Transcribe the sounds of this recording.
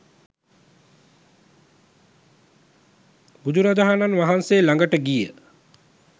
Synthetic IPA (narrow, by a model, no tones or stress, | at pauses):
bud̪uɾad͡ʒ̪aɦananʋaɦanseːlaŋɡəʈəɡijə